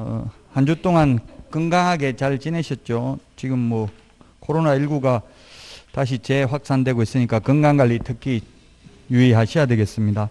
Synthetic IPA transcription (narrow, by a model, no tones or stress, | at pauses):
hand͡ʑut͈oŋankɯŋɡaŋɦaɡe̞t͡ɕaɭt͡ɕineɕʰʌt̚t͡ɕ͈ot͡ɕiɡɯmːwʌ | kʰoɾonaiɭɡuɡa | taɕ̬ʰit͡ɕe̞ɸwak̚s͈andwe̞ɡois͈ɯɲik͈akɯŋɡaŋɡaʎːitʰɯkʰi | juiɦaɕʰijade̞ɡe̞s͈ɯmɲida